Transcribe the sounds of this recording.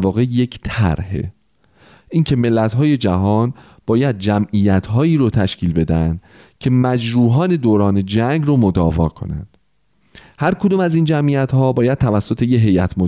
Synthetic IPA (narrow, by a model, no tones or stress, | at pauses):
vɒːɣejecʰt̪ʰæ̰ɾhḛ | ʔiŋcʰe̞me̞lːæt̪ɦɒːje̞d͡ʒæɦɒːn | b̥ɒːjæd̪̚d͡ʒæmʔijæt̪ʰɦɒːiːɾot̪ʰæʃciːlbe̞d̪ænd̪̥ | cʰe̞mæd͡ʒɾuːɦɒːne̞d̪oːɾɒːne̞d͡ʒæŋɡɾomod̪ɒːvɒ̰ːkʰo̞̰næ̰nd̪̥ | hæɾkʰod̪uːmæziːnd͡ʒæmʔijæt̪hɒːbɒːjæd̪̚t̪ʰævæsːot̪ʰe̞jeɦe̞jæt̪ʰmo